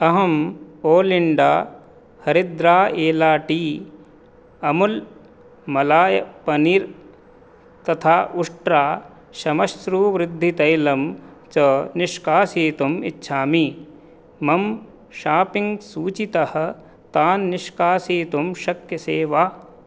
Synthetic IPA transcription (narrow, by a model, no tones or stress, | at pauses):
ɐɦɐmoːliɳɖaː | hɐɾɪd̪ɾaːeːlaːʈiː | ɐmul | mɐlaːjɐpɐniɾ | t̪ɐt̪ʰaːʔʊʂʈɾaː | ʃɐmɐʃɾuːʋɾɪd̪ʱːit̪ɐjlɐmt͡ʃɐnɪʃkaːsiːt̪umḭtːʃʰaːmiː | mɐm | ʃaːpɪ̃ŋɡsuːt͡ʃit̪ɐhɐ̆ | t̪aːnːɪʃkaːsiːt̪umʃɐkjɐseːʋaː